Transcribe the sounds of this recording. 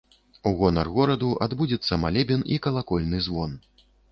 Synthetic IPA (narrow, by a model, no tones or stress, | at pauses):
uɣɔnɐrɣɔɾɐd̪uʔad̪bud͡zʲɛt̪sːɐmalʲɛbʲɛnikɐlˠakɔlʲnɨzvɔn